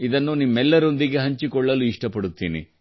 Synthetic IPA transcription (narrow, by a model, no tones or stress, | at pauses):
id̪ɐnːunimːɛlːɐɾo̞nd̪iɡe̞ɦɐɲt͡ʃikɔɭːɐluiʂʈɐpɐɽut̪ːḭːnḭ